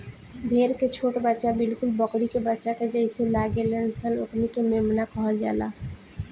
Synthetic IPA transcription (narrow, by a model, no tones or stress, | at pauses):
bʱeɾket͡ʃʰoʈbətːʃabɪlkulbəkɾikebətːʃaked͡ʒəɪselaɡelensəloknikememnakəɦəld͡ʒa̰ːla